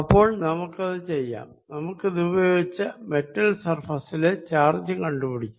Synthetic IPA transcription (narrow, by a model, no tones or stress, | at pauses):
ɐpːo̞ːɭnɐmukːɐðɨt͡ɕe̞jːa̰ːmnɐmukːɨd̪ubɐjoːɡit͡ɕːɐme̞tːɐlsɐrfɐsilet͡ɕaːrd͡ʑjɐŋkɐɳɖupiɽikʲːu̥